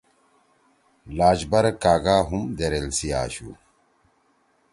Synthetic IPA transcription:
laːd͡ʑbɐɾɐkaːɡaːɦumd̪eɾelsija̰ːɕṵ

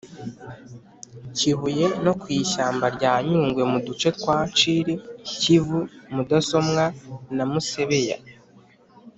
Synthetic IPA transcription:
ciɦuje̞no̞kwiːʃaːmbaɾɟaːɲuːŋɡwe̞mudut͡ʃe̞t̚waːt͡ʃiɾicivumudaso̞mŋanamuse̞βe̞ja̰

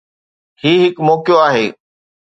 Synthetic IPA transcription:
hiːɦɪkmoːkjoaːɦeː

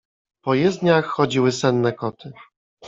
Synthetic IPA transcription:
pɔjɛzd̪ɲaxːɔd͡ʑiwɘsɛnːɛkɔt̪ʰɘ

